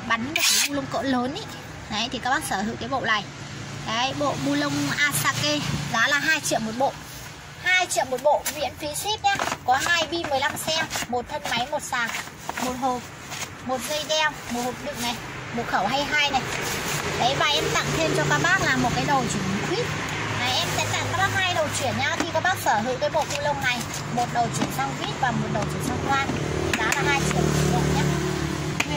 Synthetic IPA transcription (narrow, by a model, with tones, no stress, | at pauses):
ɓa˨˦nm̚˧˨˩kaː˨˦jɓu˧lə˧wŋ͡mkɔ̰˧˥ləː˨˦ni˧˦j | ə˨˦jt̪i˨˩kaː˦˥kɓaː˦˥k̚səː˧˩zɨ̰˧˨kaː˨˦jɓo̰˧˨la̰ː˧˨j | kaː˨˦jɓo̰˧˨ɓu˧lə˧wŋ͡mʔaː˧saː˧ke˧zɔ˨˦laː˨˩ɦaː˧jt͡ɕḭ˧˨əmo˨˩t̚ɓo̰˧˨ | haː˧jt͡ɕḭ˧˨əmo˨˩t̚ɓo̰˧˨vḭ˧˥ənfi˨˦swi˦˥p̚ʔa˨˦kɔ˨˦ɦaː˧jɓi˧mɨ˨˩əjla˧msɛ˧mmo˨˩t̚t̪ʰə˧wnma˨˦jmo˨˩t̚saː˨˩ŋ | mo˨˩t̚ho˨˩p̚ | mo˨˩t̚ŋə˧jɗɛ˧wmo˨˩t̚ho˨˩p̚ɗɨ̰˧˨ŋ̚na˨˩j | mo˨˩t̚xə˧˩wɦa˧jɦaː˧jna˨˩jɗə˨˦jvaː˧˩ʔɛ˧mt̪a̰ː˧˨ŋt̪ʰe˧mt͡ɕɔ˧ɓaː˧ɓaː˦˥k̚laː˨˩mo˨˩t̚kaː˨˦jɗə˨˩wt͡ɕi˧˩ŋm˨˦k̪wi˦˥t̚ | na˨˩ʔɛ˧msɛ̰˧˥t̪a̰˧˩ŋkaː˨˧˥ɓaː˦˥k̚haː˧jɗə˨˩wt͡ɕwi˧˩ənɲaː˧t̪ʰi˧kɔ˨˦ɓaː˦˥k̚səː˧˩ɦɨ̰˧˥t̪əː˨˦jɓo̰˧˨ku˧lə˧wna˨˩j | mo˨˩t̚ɗə˨˩wt͡ɕi˧˩ənsa˧wŋ͡mkwi˦˥t̚vaː˨˩mo˨˩t̚ɗə˨˩wt͡ɕi˧˩əŋsa˧wŋ͡mkwaː˧n˧˦za̰ː˧˥laː˨˧˩haː˧jt͡ɕi˧˩əwi˨˧˩ɗə˨˩ɲa˦˥˦